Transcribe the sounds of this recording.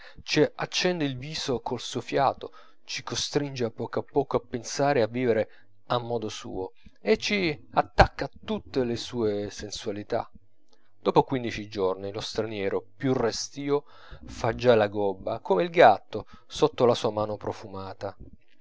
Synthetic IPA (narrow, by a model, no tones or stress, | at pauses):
t͡ʃiat͡ʃːɛnd̪eilviːzokolsofjaːt̪o | t͡ʃikost̪ɾind͡ʒeapːɔːkoapːɔːkoapːensaːɾeavːiːveɾe | amːɔːd̪osṵːo | et͡ʃːiat̪ːakːat̪ːut̪ːelesuːesensualit̪a̰ | d̪̥ɔːpokwind̪it͡ʃid͡ʒornilost̪ɾanjɛːɾʔopjurest̪iːo | fad͡ʒːalaɡɔbːakomeilɡat̪ːo | sot̪ːolasuːamaːnopɾofumaːt̪a